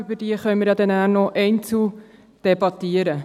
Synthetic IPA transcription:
ybəd̥iəχœʏmɪɾjɑd̪ɛnæːnɔʔɛɪnt͡su | d̥ɛbɑt̪iəɾə

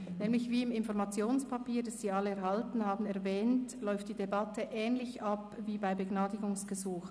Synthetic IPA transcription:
nɛːmlɪçviːɪmɪnfɔʁmɑt͡sjoːnspʰapiːɐd̥asz̥iːɑləɛɐʁhaltn̩haːbn̩ɛʁvɛːntlɔʏft̚d̥iːdebatəʔɛːnlɪçʔapviːbaɪbəɡnaːdɪɡʊŋsɡ̥əzuːx

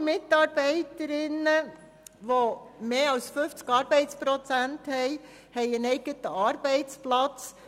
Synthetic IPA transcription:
mɪtɑːɾb̥ɛɪtəɾɪnə | ʋomeːɑlsfʏft͡skɑːɾbɛɪt͡spɾɔt͡sænthɛɪ | hɛɪənɛɪɡ̥ətəɑːɾb̥ɛɪt͡splɑt͡s

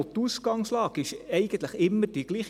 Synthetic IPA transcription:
t̪uskɑŋslɑːkɪʃɛɪɡ̥ənt̪ləχɪmːəɾd̥iɡ̥liːχ

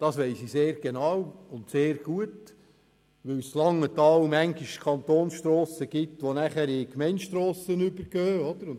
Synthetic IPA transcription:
d̥ɑsʋɛɪsiseːɾɡ̥enɑːwʊnt̪seːɾɡ̥uət | ʋɪwslɑŋːət̪ɑːwmæŋɡɪʃkʰɑnt̪oːnsʃtɾɔːsəɡ̥ɪt̪ʋonæχæɾɪkmɛɪntʃtɾɔːsənʏbəɾɡ̥øːɔd̥̪əɾʊn

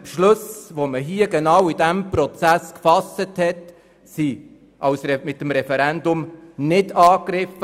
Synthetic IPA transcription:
pʃlʊsvoməɦiːəɡenɑwidæmpɾɔt͡sæskfɑsəthɛt | si | ʔɑwsɾɛmɪtːəmɾɛfɛɾɛndʊmnɪdɑːkɾɪfə

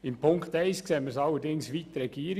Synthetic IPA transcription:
ɪmpʰʊŋkt̪ɛɪskseməsɑlːədɪŋsʋit̪ɾɛɡ̥iːɾ

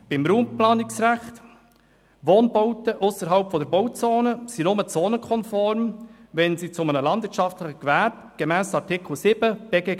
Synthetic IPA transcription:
b̥ɪmɾuːmplɑːnɪksɾæχt | ʋoːnboʊtəʔʊsəɾɦɑlpfɔdəɾboʊt͡soːnəsinʊmət͡soːnəkʰɔnfɔɾmvɛnsit͡sʊmənəlɑnd̪vɪɾt͡ʃɑftlɪχəkʋæɾb | ɡ̥emɛːsɑɾtʰɪkʰl̩sɪb̥əb̥ɛɡɛ

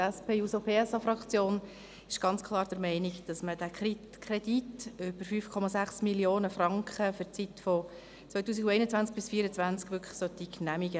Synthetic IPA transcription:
ɛspʰeːusopʰeːɛsɑfɾɑkt͡sjoːn | ɪʃɡ̥ɑnt͡skʰlˠɑːɾd̥əɾmɛɪnikd̥ɑsməd̥ækʰi | kʰrɛd̥itøbəɾfyfkʰɔmɑsæχsmiljoːnəfrɑŋkχəfʏɾt͡sitfɔ | t͡sʋœʏt̬uːs̬iɡwɛɪnət͡sʋænt͡sk̚b̥ɪsfiəɾət͡sʋænt͡skʋʏkʰχə̥sœt̪iknæmiɡə

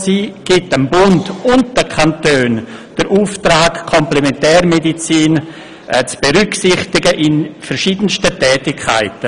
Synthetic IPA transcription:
siːɡ̥ɪtəmbʊndʊntd̥əkʰantøːnd̥əɾʔuːftɾaːkkʰɔmplɛmɛntɛːɾmedit͡siːn | ʔt͡sb̥eɾʏksɪχtɪɡəʔɪnfəɾʃiːdən̩stətɛːtɪkʰːa̰ɪtə

